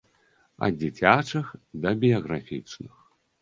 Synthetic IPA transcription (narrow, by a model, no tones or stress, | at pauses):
ɐ̰d͡zʲit͡sʲat͡ʂɨxd̪ɐbʲijɐɣɾafʲḭt͡ʂnɨx